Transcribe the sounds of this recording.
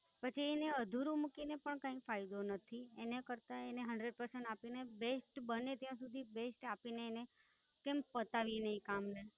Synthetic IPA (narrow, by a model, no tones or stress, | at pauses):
pət͡ʃʰieneəd̪ʱuɾumukinepəɳkãĩfajd̪onət̪ʰienekəɾt̪aeneɦəɳɖɾeɖ̚pəɾsẽɳʈapinebesʈbənet̪jãsud̪ʱibesʈapineːne | kempət̪aʋinəĩkamne